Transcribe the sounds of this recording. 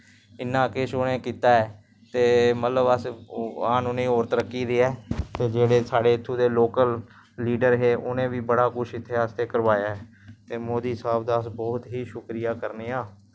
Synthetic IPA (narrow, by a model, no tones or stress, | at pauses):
ɪnːãːkeːʃoːnẽːkiːt̪aːɛː | t̪eːmət̪ləbəsaːnoːnĩːɔːɾt̪ɾəkʰːiːd̪eːɛːt̪eːd͡ʒeːɽeːsaːɖeːɪt̪ʰːũːd̪eːloːkəlː | iːɖəɾɦeːʔʊnẽːʋiːbəɽaːkʊʃʰɪt̪ʰːeaːst̪eːkəɾʋaːjaːɦɛː | t̪eːmoːd̪iːsaːbd̪aːsbɔːt̪ɦiːʃʊkɾɪjaːkəɾneːaː